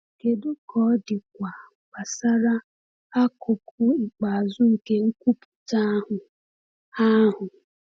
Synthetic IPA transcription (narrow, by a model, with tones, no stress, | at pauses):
ke˨dʊ˦kɔ˦dɪ˨kʷa˨ | ba˨sa˦ɾa˦ | a˦kʰo˨pʰʊ˦˨k͡pa˨a˨zʊ˦ŋ̩˨ke˦ŋ̩˦kʷu˦pu̥˨ta˦ɦʊ˨ | a˦ɦʊ˨